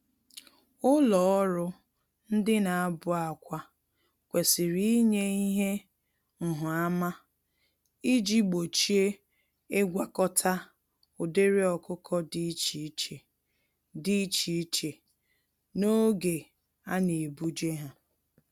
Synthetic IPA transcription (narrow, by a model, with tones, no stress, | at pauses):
ʊ˦lɔ˨ɔ˦ɾʊ˦ | n̩˦dɪ˦na˨a˦bʊ˨a˨kʷa˦ | kʷe˨sɪ˨ɾi˦ɲe˦i˦ɦe˦ | ŋ̩˨ɦʊ˨a˦ma˦ | i˦d͡ʒi˦ɡ͡bo˨t͡ʃi˦e˦ | e˦ɡʷa˨kɔ˦tʰa˦ | ʊ˨de˦ɾi˦ɔ˨kʊ˦kʰɔ˦di˦t͡ʃi˨˦t͡ʃe˨ | di˦t͡ʃi˨˦t͡ʃe˨ | no˦ɡe˨ | a˦ne˨bu˦d͡ʒe˦ɦa˨